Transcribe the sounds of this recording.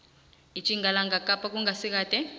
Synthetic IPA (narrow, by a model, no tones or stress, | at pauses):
it͡ʃʼiŋɡʱalaŋɡakʼapʼak̬uŋɡasik̬aːdʼɛ